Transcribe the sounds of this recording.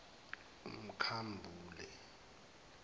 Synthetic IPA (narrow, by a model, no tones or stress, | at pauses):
um̩kʰambʱuːlɛ